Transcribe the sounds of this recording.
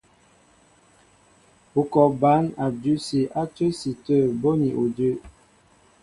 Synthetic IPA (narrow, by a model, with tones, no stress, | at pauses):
u˨kɔ˨ba˨˦na˨du˦si˨ʔa˦t͡ʃə˦si˨tə˦˨bo˦ni˨ʔo˨də˦